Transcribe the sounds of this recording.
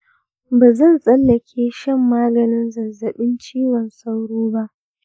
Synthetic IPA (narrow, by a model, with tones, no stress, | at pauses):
baː˨zɐ˦˨nsʼɐ˦lːɐ˨kʲʰeː˦ʃɛ˦˨mːaː˦ɡɐ˨nɪ˦nzɐ˨zɐ˨ɓɪ˦nt͡ʃiː˦wɔ˨nsa˦wɽoː˦ba˦ʔ